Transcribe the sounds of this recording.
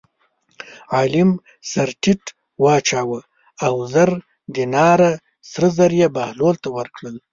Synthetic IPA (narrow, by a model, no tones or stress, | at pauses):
ʕaːlɪm | saɾʈɪʈ | wɑːt͡ʃaːwə | awzaɾ | d̪inɑːɾa | sɾəzaɾjabahlolt̪awəɾkɽəl